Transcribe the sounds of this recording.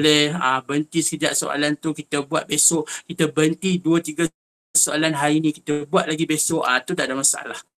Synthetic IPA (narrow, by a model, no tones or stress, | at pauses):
olɛhabənt̪isə̥kəd͡ʒaʔsoʔa̰lant̪ukit̪əbuat̪̚besɔʔkit̪əbənt̪iduət̪iɡa | aʔsoalanɦainikit̪əbuat̪̚laɡibesɔʔat̪ud̪adamasaʔa̰lah